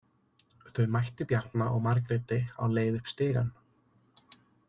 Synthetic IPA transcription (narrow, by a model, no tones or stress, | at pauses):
θœɥmajht̪ʏpjaɾ̥t̪naʔɔɣmaɾk̬ɾɪːt̪ɪa̰wleːjðʏhpst̪ɪːɣa̰n